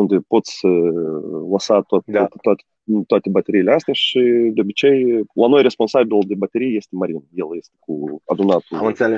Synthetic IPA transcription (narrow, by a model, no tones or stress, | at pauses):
und̪ʲɪpo̞t̪sʲ | lˠɐsat̪aat̪t̪oat̪ʲe̥ | t̪oat̪ʲebɐt̪ʲeɾʲijɪlʲeasʲt̪ejaʃɪd̪ʲoobʲɪt͡ʃejlˠɐno̞jɾʲesponsabʲilˠd̪ʲebɐt̪ʲeɾʲijjesʲt̪ʲɪmɐɾʲinjelˠjesʲt̪ʲɪ̥kuɐd̪unat̪unʲl